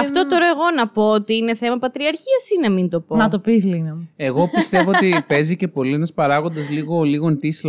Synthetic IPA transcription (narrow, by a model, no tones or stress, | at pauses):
ɐft̪o̞t̪o̞ɾɐeɣo̞nɐpo̞ot̪iine̞θe̞mɐpɐt̪ɾiɐɾçiɐsinɐmint̪o̞ponɐt̪opiθlinɐe̞ɣo̞pist̪e̞voot̪ipe̞zice̞po̞lienɐspɐɾɐɣo̞nd̪ɐzliɣo̞liɣont̪isl